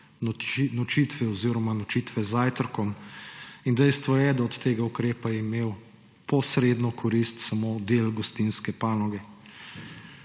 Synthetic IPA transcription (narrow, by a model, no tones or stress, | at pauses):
nɔt͡ʃit̪ʋɛɔziɾɔmanɔt͡ʃiːt̪ʋɛzaːjt̪əɾkɔm | ind̪ɛjst̪ʋɔjɛd̪aɔt̪ːeːɡaukɾeːpajɛimeːw | pɔsɾeːd̪nɔkʰɔɾist̪samod̪eːlɡɔst̪inskɛpaːnɔɡɛ